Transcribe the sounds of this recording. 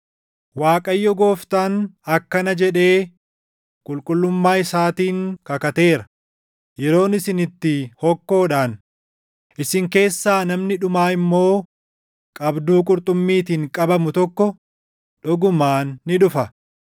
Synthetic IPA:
waːkʼɐjːɔɡo̞ːft̪anɐkːɐnɐd͡ʒɛᶑe̞ː | kʼʊlkʼʊlːʊmːaːɪsaːt̪iːŋkɐkɐt̪e̞ːɾɐ̥ | jɛɾo̞ːnɪsɪnɪt̪ːɪhɔkːo̞ːᶑaːn | ʔɪsɪŋke̞ːsːaːnɐmnɪᶑʊmaːɪmːo̞ː | kʼɐbd̪uːkʼʊɾt̪ʼʊmːiːt̪iːŋkʼɐbɐmʊt̪ɔkːɔ | ᶑɔɡʊmaːnːɪᶑʊfɐ

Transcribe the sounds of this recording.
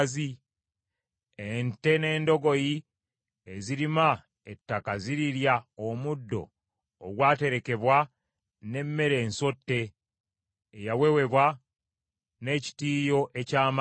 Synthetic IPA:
zi | ente̞ne̞ːndo̞ɡo̞ji | eziɾima | etːakaziɾiɾjaomudːo̞̰ː | ɡwaːte̞ɾe̞ke̞βwa | ne̞mːe̞ɾe̞ːnso̞tːe̞ | jawewe̞βwa | ne̞ːci̥tiːjo̞ʔe̞caːm

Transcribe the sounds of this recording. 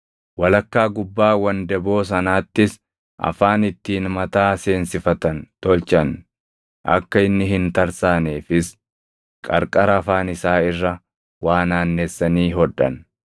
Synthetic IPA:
wɐlɐkːaːɡʊbːaːwɐnd̪ɛbo̞ːs̬ɐnaːt̪ːɪs | ʔɐ̰faːnɪt̪ːiːnmɐt̪aːse̞ːnsɪfɐt̪ɐnt̪ɔlt͡ʃʼɐn | ʔɐ̰kːɐɪnːɪɦɪnt̪ɐɾsaːneːfɪs | kʼɐ̰ɾkʼɐɾɐːfaːnɪsaːɪrːɐ | waːnaːnːesːɐniːɦɔᶑɐ̰n

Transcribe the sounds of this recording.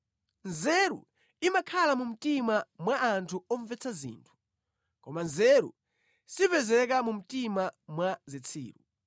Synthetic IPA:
nzɛɾṵ | imakʰalamum̩timamwaʔːntʰuɔɱvɛt͡sʰazḭːntʰu̥ | kɔmanzɛɾṵ | sipɛzɛkamum̩timamwazit͡sʰḭːɾu

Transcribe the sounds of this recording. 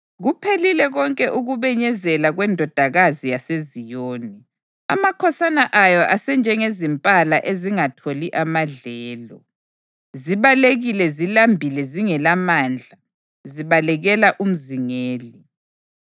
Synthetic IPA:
ɣupʰelilɛɣɔŋkʼɛʔuɣuβɛɲɛzɛlaɣwɛndʱɔd̥ʱaɣazijasezijoːni | a̰makʰɔsanaʔajɔʔasɛnd͡ʒʱɛŋezimpʼalaʔeziŋatʰoliʔamaɮɛːlɔ̰ | ziβaleɣilɛzilambʱilɛziŋɛlamaːnd͡ɮʱa | ziβalɛɣɛlaʔum̩ziŋeːli

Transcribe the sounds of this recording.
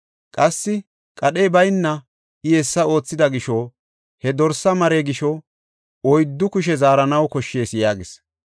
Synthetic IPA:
kʼɐsːɪ | kʼɐɗeːbɐjnːɐ | ɪjɛsːɐo̞ːt͡sːɪd̪ɐɡɪʃɔ | hɛd̪ɔɾsɐmɐɾeːɡɪʃɔ | ɔjd̪ːʊkʊʃ̬ɛzaːɾɐnɐwkɔʃːe̞ːsjaːɡɪs

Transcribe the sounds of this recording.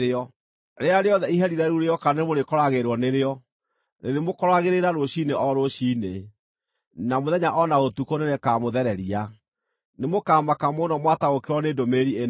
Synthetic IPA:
eɔ | ɾeaɾeɔðɛiɦɛɾiɾɛɾuɾeɔkanemoɾekɔɾaɣeɾwɔneɾeɔ | neɾemokɔɾaɣeɾeɾaɾoɕineʔɔɾoɕiːne | namoðɛɲaʔɔnaɣotukonenekaːmoðɛɾɛɾia | nemokaːmakamonɔmwataɣokeɾwɔneːdomeɾien

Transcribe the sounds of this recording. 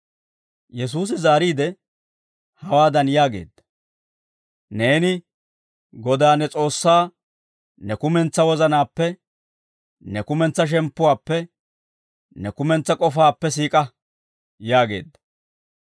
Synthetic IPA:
jɛs̬uːs̬ɪzaːɾiːd̪ɛ | hɐwaːd̪ɐnjaːɡe̞̰ːd̪ːɐ̥ | ne̞ːnɪ | ɡɔd̪aːnɛt͡sʼo̞ːsːaː | nɛkʊmɛnt͡sːɐwɔzɐnaːpːɛ | nɛkʊmɛnt͡sːɐʃ̬ɛmpːʊwaːpːɛ | nɛkʊmɛnt͡sːɐkʼɔfaːpːɛs̬iːkʼɐ | jaːɡe̞ːd̪ːɐ̥

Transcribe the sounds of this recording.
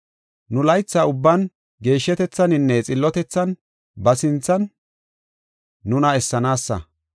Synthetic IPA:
nʊlɐjt͡sːɐʊbːɐn | ɡe̞ːʃːɛt̪ɛt͡sːɐnɪnːɛt͡sʼɪlːɔt̪ɛt͡sːɐn | bɐsɪnt͡sːɐn | ʊnɐɛsːɐnaːsːɐ̰

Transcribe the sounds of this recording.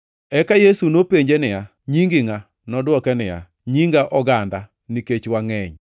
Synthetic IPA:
ɛkajesunopeɲd͡ʒenɪja | ɲiŋɡɪŋa | nɔdwɔkɛnɪja̰ | ɲiŋɡaʔɔɡanda | niket͡ʃwaŋɛɲ

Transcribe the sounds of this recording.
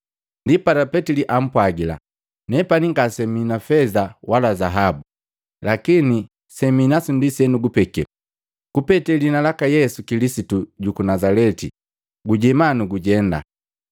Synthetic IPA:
ndipatapɛtiliʔam̩pwaɡila̰ | nɛpaniŋɡasɛminafɛzawalazaɦabu | lakini | sɛminasundisɛnuɡupɛkɛ̰ | kupɛtɛlinalakajɛsukilisituɟukunazalɛtḭ | ɡuɟɛmanuɡuɟɛnda̰

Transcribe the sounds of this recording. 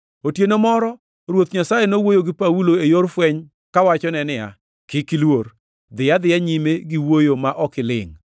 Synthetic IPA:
otjenomɔɾɔ | ɾwot̪ɲasajenowojoɡɪpauloejoɾfwɛɲ | kawat͡ʃɔnɛnɪa̰ | kɪkɪlwor | d̪ɪjad̪ɪjaɲimeɡiwojomaʔɔkɪlɪ̰ŋ

